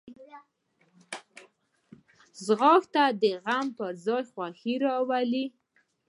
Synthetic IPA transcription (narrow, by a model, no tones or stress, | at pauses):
zɣɑkt̪ad̪əɣampəɾzɑjxwaxiɾɑwali